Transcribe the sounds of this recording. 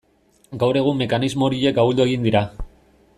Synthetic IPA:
ɡawɾe̞ɣ̞umːe̞kanizmo̞ːɾie̞kaβuld̪ue̞ɣind̪iɾa

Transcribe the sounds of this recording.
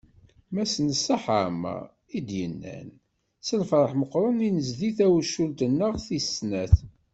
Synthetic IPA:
mæsənəsːaħamə̰ | id̪jənːæ̰n | səlfɾˤəħməqːɾˤəninəzðiθæwʃːult̪ənːəʁθisnæθ

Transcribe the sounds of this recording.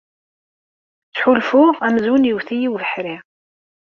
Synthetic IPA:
t͡sːħʊlfʊʁæmzunjəwθijiwvəħɾɪʁ

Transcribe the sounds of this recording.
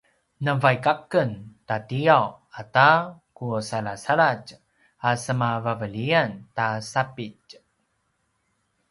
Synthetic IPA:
nəvajkakəntatiaw | atakusalasaɭat͡ʃ | asəmavavəliantasapic

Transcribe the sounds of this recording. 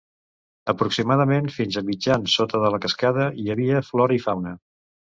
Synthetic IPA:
əpɾuksimað̞əmenfinzəmid͡ʒansːot̪əðələkəskaðəiəβiəflɔɾəifawnə

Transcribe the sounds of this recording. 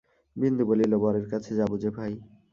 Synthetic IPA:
bind̪ubolilobaɾeɾkat͡ɕʰed͡ʑabud͡ʑebʱaj

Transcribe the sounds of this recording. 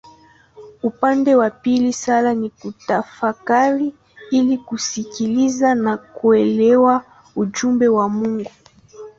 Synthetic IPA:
upandɛwapilisalanikutafakaɾi | ilikusikilizanakuɛlɛwa | uʄumbɛwamuŋɡu

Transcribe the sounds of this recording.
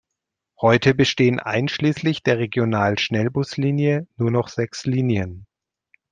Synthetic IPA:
hɔʏtʰəbəʃteːənʔa̰ɪnʃliːslɪçd̥eːɐʁ̞eɡjonaːlʃnɛlbʊsliːnjənuːɐnɔχz̥ɛksliːnjən

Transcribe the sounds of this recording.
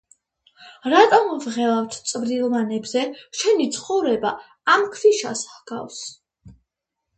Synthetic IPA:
ɾat̪ʼɔmvʁɛlˠaft̪ʰt̪sʼvd̪ilˠmanɛbzɛʃɛnit̪sʰχɔvɾɛba | amkʰviʃa̰sɡa̰fs

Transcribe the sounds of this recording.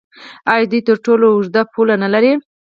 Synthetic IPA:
ɑjd̪ujt̪əɾʈoloʊʐd̪apʰulanalaɾi

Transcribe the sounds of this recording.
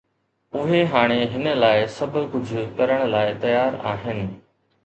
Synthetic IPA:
ʊɦeɦaːɽ̃eɦɪnəlaːɪsɐbʱʊ̆kʊd͡ʑʱʊ̆kɐɾəɽ̃laːɪt̪ɐjaːɾa̰ːɦɪnɪ̆

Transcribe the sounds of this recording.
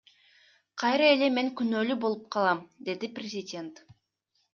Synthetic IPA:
qʰɑjɾɑe̞le̞me̞ŋkynøːlybo̞lˠup̚qʰɑlˠɑmd̪e̞d̪iprʲɪzʲɪdʲe̞nt̪

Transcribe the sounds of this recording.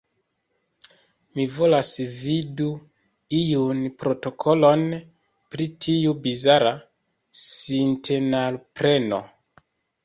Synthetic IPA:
mivo̞lasvidu | ijunpɾo̞to̞kʰolo̞n | pɾitʰiubizaɾa | sintʰenalpɾeno̰

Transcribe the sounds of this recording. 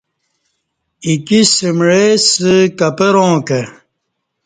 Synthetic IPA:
ikisimɻesəkɐpeɾõːke

